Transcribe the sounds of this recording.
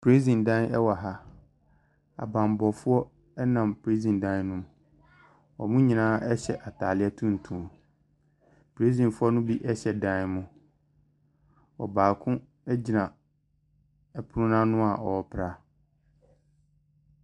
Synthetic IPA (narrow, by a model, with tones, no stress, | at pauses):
pʰɾe˦zĩ˨ndã˦nɛ˦wa˨ɦa˦ | a̰˨bã˨m˨bɔ˨fʊ˦ɔ˦ | ɛ˦nã˨mpɾe˦zĩ˨ndã˦nnʊ̃˦m | wɔ˨mũ˦ɲĩ˨nãː˦ʔɛ˦ɕɛ̰˨ʔa˨tʰaː˨lɪ˦ɛ˦tʰũ˦n̩˨tʰũ˨ | pʰɾe˦zĩ˨nfʊ˦ɔ˦nʊ̃˦bi˦ʔɛ˦ɕɛ˨dã˦nmʊ̃˨ | wɔ̰˨baː˨kʰʊ̃˦ | ɛ˦d͡ʑi˨nã˨ | ɛ˨pʰʊ˦ɾʊ̃˦nã˦nʊ̃˦a˨ʔɔ˨ɔ˦pʰɾa˦